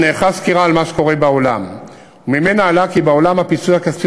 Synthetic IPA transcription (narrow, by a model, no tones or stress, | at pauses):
neːχaskiʁaːlmaʃeko̞ʁe̞bao̞lam | umime̞naːlakibeo̞lamhapisuakasi